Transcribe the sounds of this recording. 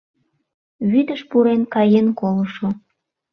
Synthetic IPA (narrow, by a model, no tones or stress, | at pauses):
βyd̪əʃpuɾenkɑjenkoləʃo